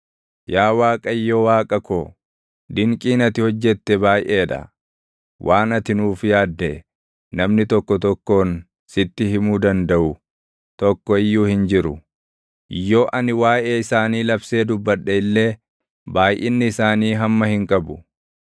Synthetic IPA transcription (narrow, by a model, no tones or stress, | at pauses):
jaːwaːkʼɐɪjːowaːkʼɐkoː | d̪ɪŋkʼiːnɐt̪ɪhɔd͡ʒːɛt̪ːɛbaːjʔeːᶑ̪ɐ̰ | wʔaːnɐt̪ɪnuːfjaːd̪ːɛ | nɐmnɪt̪ɔkːɔt̪ɔkːo̞ːn | sɪt̪ːɪɦɪmuːd̪ɐnd̪ɐʔʊ | t̪ɔkːɔɪjːuːhɪnd͡ʒɪɾʊ | ʔɪjːo̞ːʔɐnɪwaːjeːɪsaːniːlɐbse̞ːd̪ʊbːɐᶑːɛɪlːe̞ː | baːjʔɪnːɪɪsaːniːɦɐmːɐhɪŋkʼɐbʊ